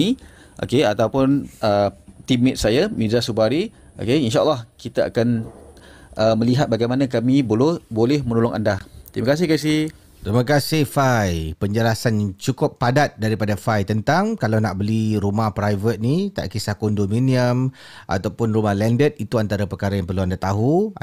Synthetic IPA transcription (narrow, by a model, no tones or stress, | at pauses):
i | ʔo̰keat̪awpʊnət̪imɛt̪̚sajamidzasubaɾi | ʔo̰keinʃaʔəlːɑhkit̪aa̰kan | ʔəməliɦat̪̚baɡajmanãkamĩbolobolɛhmənolʊŋʔa̰ndat̪ɾiməkas̬ɪhkas̬ih | t̪ɾiməkasɪhfajpəɲd͡ʒəlasant͡ʃukʊpːadat̪̚daɾipadafajt̪ənt̪aŋkalawnaʔbəliɾumahpɾajvət̪̚nit̪a̰ʔkisakundomĩniəm | ʔa̰t̪awpʊnrumahlɛndət̪̚it̪uant̪aɾapəkaɾajaŋpərluandat̪aɦu